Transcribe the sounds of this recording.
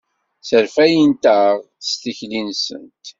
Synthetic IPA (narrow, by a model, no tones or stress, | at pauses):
səɾfæjənt̪əʁ̥ | st̪içlinsə̰nt̪